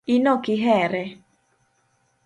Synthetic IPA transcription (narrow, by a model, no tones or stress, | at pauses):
inɔkiɦɛɾɛ